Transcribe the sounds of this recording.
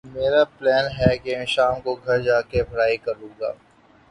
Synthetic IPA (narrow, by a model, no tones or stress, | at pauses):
meːɾaplɛːnɦɛkemɛ̃ʃaːmkoɡʱɐɾd͡ʒaːkebʱɐɾaːikɐɾũːɡa̰ː